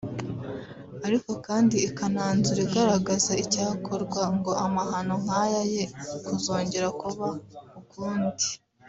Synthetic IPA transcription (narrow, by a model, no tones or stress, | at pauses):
aɾiko̞kaːndiːkanaːnzuɾiɡaɾaɡazaicaːkʰo̞ɾɡwaŋɡo̞amaɦano̞ŋ̥ajaje̞kuzo̞ːɲɟe̞ɾakuβaukuːndi̥